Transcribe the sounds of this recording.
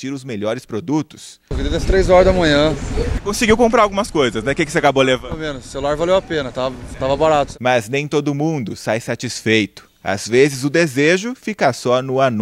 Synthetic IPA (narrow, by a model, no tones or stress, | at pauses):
t͡ʃiɾʊzmeʎɔɾɪspɾod̪ut̪ʊ̥s | kid̪ed̪ɐst̪ɾejzɔɾɐzd̪ɐmɐ̃ɲɐ̃ɪkõsɪɡiwkõmp̬ɾaɾawɡũmɐskojzɐsnɛkekɪseakabolevɐmẽnʊsselulaɾvalewapẽnɐt̪avɐt̪avɐbaɾat̪ʊ̥mɐznẽj̃t̪od̪ʊmũd̪ʊsajsat͡ʃisfejt̪ʊ̥ | a̰zvezɪzʊd̪ezeʒʊfikɐsɔnʊan